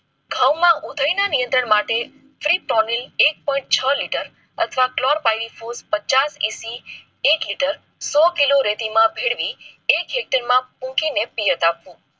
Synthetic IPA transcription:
ɡʱawmãʔud̪ʱəjnanijə̃nt̪ɾəɳmaʈe | fɾipɾɔnilek̚pɔĩɳʈ̚t͡ʃʰəliʈəɾ | ət̪ʰəʋaklɔɾpajɾifospət͡ʃasisi | ekliʈəɾ | sɔkiloɾet̪imãbʱeɽʋiekɦek̚ʈəɾmãpũkinepijət̪apʋũ

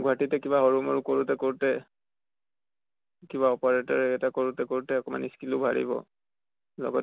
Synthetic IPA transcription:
ɡuatitɛkibaɦɔɹumaɹukoɹutɛkoɹtɛ | kiβaɔpaɹetɔɹɛɛtakoɹutɛkoɹtɛɔkɔma̰niskilubʱa̰ɹḭbɔ̰ | lɔ̰ɡɔ

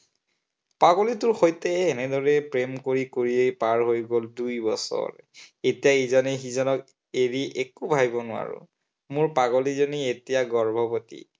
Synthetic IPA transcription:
paɡolitʊɹxojtɛːnɛdɔɹɛpɹemkoɹikoɹiejpaɹɦojɡoldujbɔsɔ̰ɹetijaezanɛxizɔnɔk | eɹiʔekubʱajbɔnʊa̰ɹʊ̰ | mʊɹpaɡɔlizɔnietijaɡɔɹbʱɔpotḭ

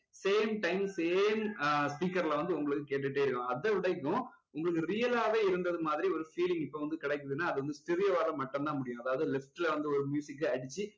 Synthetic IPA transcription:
seːmʈɐɪmseːmspiːkːɐɾlɐʋɐnd̪ɯʊŋɡɐɭɯkːɯkeːʈ̬ːɯʈːeːɪɾɯkːʊ̃ɐðɐʋɪɽɐɪkːʊ̃ | ʊŋɡɐɭɯk̬ːɯɾijɐlaːʋeːɪɾɯnd̪ɐðɯmaːðɪɾiɔɾɯfiːlɪ̃ŋɡɪpːoːʋɐnd̪ɯkɪɽɛɪkːɯðɯnːaːɐðɯʋɐnd̪ɯsʈɪɾɪjɐʋaːɾlɐmɐʈːɐnt̪ãːmʊɽɪjʊ̃ɐðaːʋɐðɯlɪfʈɪlɐʋɐnd̪ɯɔɾɯmjuːsɪkːɐɐɽɪt͡ʃːɯ

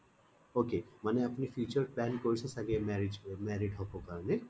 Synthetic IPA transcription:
oːkeːmɐneɐpnifiːt͡ʃəɾpɛːnkoːisesɐɡemɛɾɪd͡ʒmɛːɾɪɖɦokokane

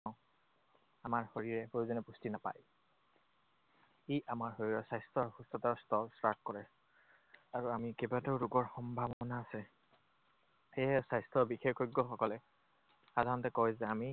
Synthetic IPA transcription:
ʊ̃ | amaɹhoɹiɹɛhojzɔnɛpustinapa̰j | iʔamaɹɦoɹiɹɛsajstʰɔxustɔtaɹstɔlsɹakkɔɹɛ | aɹuamikebadɛʊɹuɡɔɹxɔmbʱabɔɔnaːsɛ | xejasajstɹɔbixekoɡːɔxɔkɔlɛ | xadʱaɹɔntɛkɔjzɛami

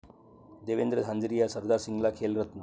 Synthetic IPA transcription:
d̪eːʋend̪ɾəd̪ʱãɲd͡ʒɾijasəɾd̪aɾsiŋɡlakʰeːlɾət̪nə

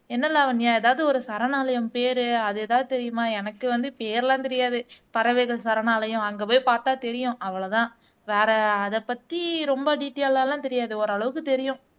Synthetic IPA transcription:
ɛnːɐlːɐːʋɐnjaːɛðaːʋðɯɔɾɯsɐɾɐnaːlɐjʊ̃mpeːɾɯɐðɯɛːðaːðɯt̪ɛɾɪjɯmaːɛnɐkːɯʋɐnd̪ɯpeːɾlãːt̪ɛɾɪjaːðɯp̪ɐɾɐʋɛːɣɐɭsɐɾɐnaːlɐjʊ̃ɐŋɡepoːjpaːɾt̪aːt̪ɛɾɪjʊ̃ʔɐʋɐɭɐt̪ãː | ʋeːɾɐːðɛpːɐt̪ːiɾɔmbɐɖiːʈːellaːlãːt̪ɛɾɪjaːðɯɔɾɯɐɭɐʋɯkːɯt̪ɛɾɪjʊ̃

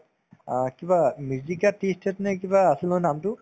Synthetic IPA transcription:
kibamjuzikatistɛtnɛk̬ibaːsilɔjnamtʊ

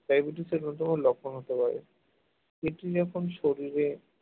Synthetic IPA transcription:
pajbiʈ̬iseɾonɔt̪ɔmolɔkʰːonɦot̪epaɾḛ | eʈid͡ʑɔkʰonʃoɾiɾe

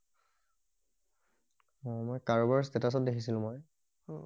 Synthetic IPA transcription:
ɔmɔjkaɹɔbaɹstɛtas̬ɔt̚dekʰisilʊ̃mɔj

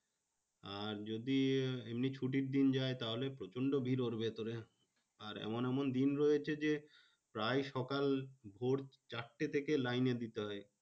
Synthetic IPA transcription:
aɾd͡ʑod̪iemnit͡ɕʰuʈ̬iɾd̪ind͡ʑaet̪aɦolepɾot͡ɕoɳɖobʱiɾoɾbʱet̪oɾe | aɾɛ̰monɛmond̪inɾɔjet͡ɕʰed͡ʑe | pɾajʃɔkalbʱoɾt͡ɕaʈʈet̪ʰekelajned̪it̪eɦɔe

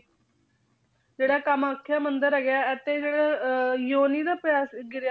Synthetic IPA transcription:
d͡ʒeːɽaːkəmaːkʰːjaːmənd̪əɾɦɛːɡjaːɛt̪eːd͡ʒeːɽaːjoːniːd̪aːpjaːsɡɪɾja

